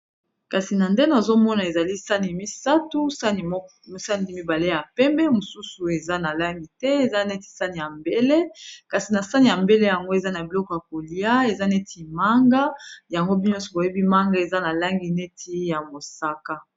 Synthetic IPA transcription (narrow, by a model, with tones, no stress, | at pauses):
ka˨si˨na˨nde˦na˨zo˦mɔ˦na˨e˨za˨li˦sa˦ni˨mi˦sa˦tu˦si˨˦ | sa˦ndi˦mi˦ba˨le˦ja˨pɛ˦mbɛ˦mo˨su˦su˨e˨za˦na˨la˦ŋɡi˨tɛ˦e˨za˦ne˦ti̥˨sa˦ni˨ja˨mbe˦le˦ka˨si˨na˨sa˦ni˨ja˨mbe˦le˦ja˨ŋɡo˦e˨za˦na˨bi˨lɔ˦kɔ˨ja˨ko˨li˨a˦e˨za˦ne˦tʰi˨ma˦ŋɡa˦ja˨ŋɡo˦bi˦n˦ɔ˦sɔ˨bo˨je˦bi˦ma˦ŋɡa˦e˨za˦na˨la˦ŋɡi˨ne˦tʰi˦ja˨mo˨sa˦ka˦